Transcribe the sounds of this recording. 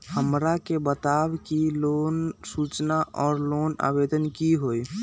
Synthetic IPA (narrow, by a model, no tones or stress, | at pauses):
həmɾakebət̪abkilonsut͡ʃnaʔʔɔːɾlona̰bed̪ənkiɦoj